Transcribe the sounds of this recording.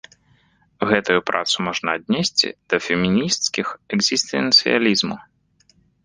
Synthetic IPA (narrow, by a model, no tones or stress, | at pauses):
ɣɛt̪ujupɾʔa̰t̪sumɔʐnɐːd̪ʲnʲesʲt͡sʲḭd̪̥ɐfʲɛmʲinʲist̪skʲixɛɡzʲist̪ɛ̰nt̪sɨja̰lʲizmu